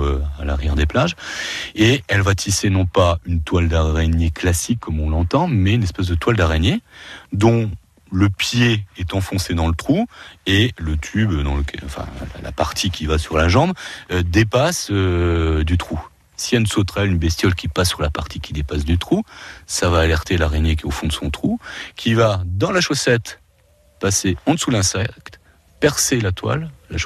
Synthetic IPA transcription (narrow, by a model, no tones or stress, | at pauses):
øala̰ʁjɛʁd̪eplaʒeɛlvat̪ʰisenɔ̃paynt̪wald̪aʁɛnjeklasikʰːɔmɔ̃lɑ̃t̪ɑ̃mɛynɛspɛsd̪ət̪wald̪aʁenjed̪ɔ̃ | ləpjeɛt̪ɑ̃fɔ̃sed̪ɑ̃lət̪χuelət̪ʰybd̪ɑ̃ləkʰʲɛ̰ɑ̰̃fɛ̰̃la̰la̰paʁt̪ʰikʲivasyʁlaʒɑ̃bød̪epasød̪yt̪χu | siansot̪χɛlynbɛst̪jɔlkʲipasːyʁlapaʁt̪ʰikʲid̪epasd̪yt̪χusavaːlɛʁt̪elaʁenek̬ʲeofɔ̃d̪əsɔ̃t̪χukʲʰivad̪ɑ̃laʃosɛt̪ | paseɑ̃d̪əsulɛ̃sɛkt̪ | pɛʁselat̪wa̰lːaʃ